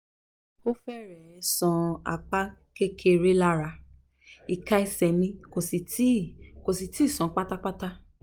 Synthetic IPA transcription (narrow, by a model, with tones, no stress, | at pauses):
ko˦fɛ˦˨ɾɛ˨˦sɔ̃˧a̰˨k͡pa˦ke˦kʰe˧ɾe˦la˦ɾa˧ | i˨ka˧˦i˧sɛ˨mĩ˧˦ko˧si˨ti˦˨ko˨si˨ti˦˨sɔ̃˨˦k͡pa˦ta˦k͡pa˦ta˦